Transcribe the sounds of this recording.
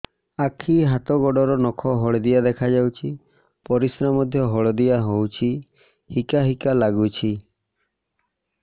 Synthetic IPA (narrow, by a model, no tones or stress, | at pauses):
akʰiɦat̪ɔɡɔɖɔɾɔnɔkʰɔɦɔɭd̪ijad̪ekʰad͡ʒawt͡ʃʰi | pɔɾisɾamɔd̪ʱjɔɦɔɭɔd̪ijaɦowt͡ʃʰi | hikaɦikalaɡut͡ʃʰi